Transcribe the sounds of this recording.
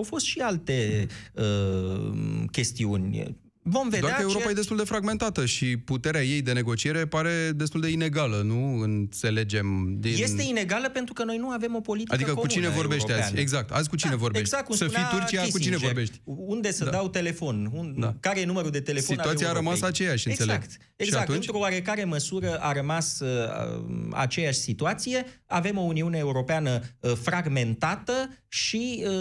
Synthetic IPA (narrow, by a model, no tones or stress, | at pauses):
awfo̞st̪ʃialt̪e̞ə | kʲe̞st̪iunʲ | vo̞mved̪oaɾakəeuɾopajed̪est̪uld̪e̞fɾaɡme̞nt̪at̪əʃiput̪eɾeaje̞jd̪e̞ne̞ɡo̞t͡ʃie̞ɾe̞paɾe̞d̪e̞s̬t̪uld̪e̞ine̞ɡalənuɨnt̪se̞le̞d͡ʒe̞md̪inje̞st̪e̞ine̞ɡaləpe̞nt̪ɾukənojnuave̞mo̞po̞lit̪iad̪ikəkut͡ʃinevo̞rbe̞ʃeazeɡzak̚t̪a̰zʲkut͡ʃine̞vo̞ɾbeɡzak̚t̪usəit̪urt͡ʃijakut͡ʃinevo̞ɾbeʃt̪und̪e̞səd̪awt̪e̞le̞fo̞nud̪akaɾeje̞numəɾud̪e̞t̪e̞le̞foit̪auatsijaɾəmasat͡ʃe̞jaʃɨnseleɡt̪ | eɡzak̚t̪uɨnt̪ɾoowaɾe̞kaɾe̞məsuɾəʔaɾəmasə | a̰t͡ʃe̞jaʃʲsit̪uat̪sije̞ave̞mo̞uniune̞ːuɾo̞peanəfɾaɡme̞nt̪at̪əʃiə